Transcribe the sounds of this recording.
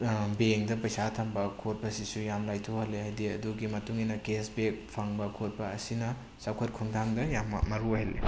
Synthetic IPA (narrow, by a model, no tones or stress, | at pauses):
beŋdɐpɐjsatʰɐmbɐkʰot̚bɐsisujamlajtʰohɐlːehajdiɐduɡimɐtuŋinɐkesbek̚pʰaŋbɐkʰot̚bɐːsinɐ | sawkʰɐt̚kʰuŋdʰʱamdɐjam̰ːɐɾuɦelːḛ